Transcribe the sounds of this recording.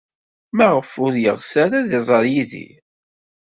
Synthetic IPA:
mæʁəfʊɾjə̰ʁsæɾaðizˤəɾjiðḭ

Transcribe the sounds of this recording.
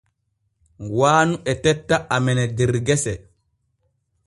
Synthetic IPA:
waːnuʔɛtɛtːaʔamɛnɛdiɾɡɛsɛ

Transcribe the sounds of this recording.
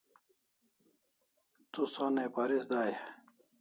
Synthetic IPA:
t̪usõnepaɾisd̪aj

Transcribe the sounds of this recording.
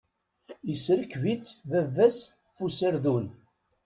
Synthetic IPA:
isɾəkːvit͡sːvævːæs | fusəɾðun

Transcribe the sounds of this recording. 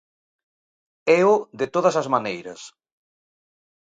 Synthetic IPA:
ɛʊðɪt̪oð̞ɐsɐzmanejɾɐ̰s

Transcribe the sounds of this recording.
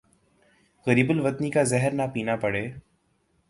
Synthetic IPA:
ɣɐɾiːbəlʋɐt̪nikazɛɦəɾnapiːnapɐɽeː

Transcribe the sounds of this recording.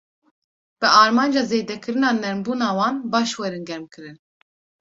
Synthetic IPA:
b̥ɨɑːɾmɑːnd͡ʒɑːzeːd̪ɛkʰɨɾɨnɑːnɛɾmbuːnɑːwɑːnbɑːʃwɛɾɨnɡɛɾmkʰɨɾɨn

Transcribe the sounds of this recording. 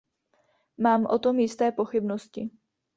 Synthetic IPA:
maːmʔo̞t̪o̞mjɪst̪ɛːpo̞xɪbnoscɪ

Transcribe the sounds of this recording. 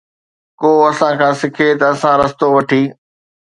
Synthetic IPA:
koːɐsãːkʰãːsɪkʰet̪ɐɐsãːɾɐst̪oʋɐʈʰiː

